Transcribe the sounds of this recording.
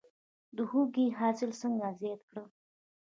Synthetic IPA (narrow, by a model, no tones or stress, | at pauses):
d̪əhuɡiɦɑsɪlsəŋɡazjɑt̪kɽə